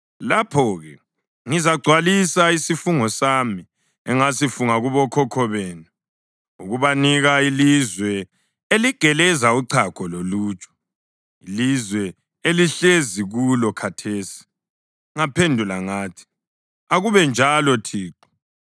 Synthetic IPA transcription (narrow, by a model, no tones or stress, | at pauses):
lapʰɔɣɛ | ŋizaɡ͡ǀʱwalisaisifuŋɔsami | ɛŋasifuŋaɣuβɔkʰɔkʰɔβeːnu | uɣuβaniɣailizwɛ | eliɡ̥ʱɛlɛzauǀʰakʰɔloluːt͡ʃʼɔ̥ | ilizwɛ | eliɬeziɣulɔkʰatʰeːsi̥ | ŋapʰendʱulaŋaːtʰi̥ | aɣuβɛnd͡ʒʱalɔtʰiːǃɔ̥